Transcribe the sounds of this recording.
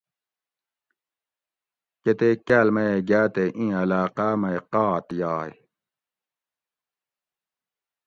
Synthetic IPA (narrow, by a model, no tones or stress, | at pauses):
ket̪ekɐlmɐeɡaːt̪eʔĩːɐlaːqamɐjqɑːt̪jɑːj